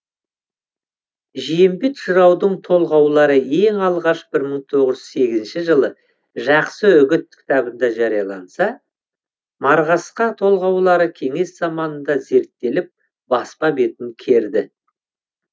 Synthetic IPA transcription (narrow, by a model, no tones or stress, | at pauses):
ʒijembet̪ʃəɾɑwd̪əɴt̪ʰo̞lˠʁɑwlˠɑɾəe̞ŋɑlˠʁɑʃbɪɾməɴt̪ʰo̞ʁəʒʏzse̞ɡʲɪzɪnʃɪʒəlˠə | ʒɑqsəʏɡʲɪt̪̚kʲʰɪ̥t̪ɑbənd̪ɑʒɑɾijɑlˠɑnsɑ | mɑɾʁɑsqɑt̪ʰo̞lˠʁɑwlˠɑɾəkʲʰe̞ŋe̞sz̥ɑmɑnənd̪ɑze̞ɾt̪ːe̞lɪp̚ | bɑspɑbe̞t̪ɪŋkʲʰe̞ɾd̪ɪ